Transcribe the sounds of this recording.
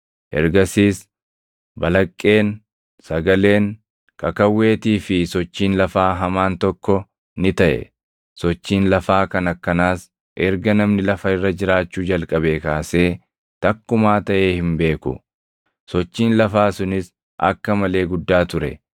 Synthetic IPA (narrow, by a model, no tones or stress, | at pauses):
ʔɛ̰ɾɡɐsiːs | bɐlɐkʼːe̞ːŋ | sɐɡɐle̞ːŋ | kʰɐkɐwːe̞ːt̪iːfɪsɔt͡ʃːiːnlɐfaːɦɐmaːnt̪ɔkːɔ | nɪt̪ɐʔɛ̰ | sɔt͡ʃːiːnlɐfaːkɐnɐkːɐnaːs | ʔɛɾɡɐnɐmnɪlɐfɐɪrːɐd͡ʒɪɾaːt͡ʃːuːd͡ʒɐlkʼɐbeːkaːse̞ː | t̪ɐkːʊmaːt̪ɐʔe̞ːhɪmbe̞ːkʊ̰ | sɔt͡ʃːiːnlɐfaːsʊnɪs | ʔɐ̰kːɐmɐle̞ːɡʊd̪ːaːt̪ʊɾɛ̰